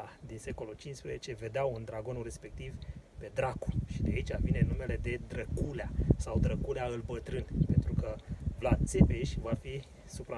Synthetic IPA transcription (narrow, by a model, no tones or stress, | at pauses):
ad̪inse̞ko̞lult͡ʃint͡ʃspɾezet͡ʃe̞ve̞d̪eawund̪ɾaɡo̞nuɾe̞spe̞k̚t̪ivpe̞d̪ɾaku̥ʃid̪eait͡ʃʲavinenːume̞le̞d̪e̞d̪ɾəkuleasawd̪ɾəkuleaɨlbət̪ɾɨnpe̞nt̪ɾukəvlad̪̚sepeʃʲvafi | supɾa